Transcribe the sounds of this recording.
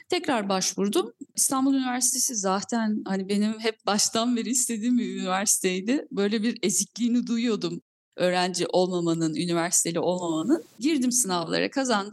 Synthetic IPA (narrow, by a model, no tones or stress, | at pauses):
t̪ʰɛcɾaɾbaʃvuɾd̪umist̪ʰanbulˠynivæɾsi̥t̪ʰe̞sizaːt̪ʰænhanibe̞nimɦɛp̚baʃt̪ʰanbeɾiist̪ʰe̞d̪iːmmiynivæɾsi̥t̪ʰe̞jd̪ɪbø̞jlʲebiɾe̞zicʲlʲiːnid̪ujujo̞d̪um | ø̞ːɾænd͡ʒiʔo̞lˠmamanɯnynivæɾsi̥t̪ʰe̞lʲiʔo̞lˠmamanɯnɟiɾd̪imsɯnavlˠa̰ɾa̰kʰazand̪ɯ